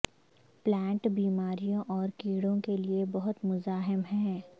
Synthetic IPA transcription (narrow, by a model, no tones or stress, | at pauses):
plɛ̃ːɳʈbiːmaːɾijõʔɔːɾkiːɽõkeliebɐɦʊt̪mʊzaːɦɪmɦɛ̃ː